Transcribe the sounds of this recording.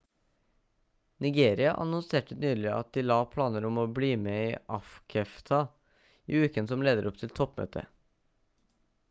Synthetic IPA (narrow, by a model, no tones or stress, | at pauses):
nɪɡeːɾɪɑʔɑ̰nɔnseːʈənyːlɪʔɑ̰t̪̚d̪iːlɑːpʰlɑːnəɾɔmoːbliːmeiːʔɑfkʰɛft̪ʰɑ | iːʉːkənsɔmleːd̪əɾʔɔp̚t̪ʰɪlt̪ʰɔpːmø̰ːt̪ʰə̰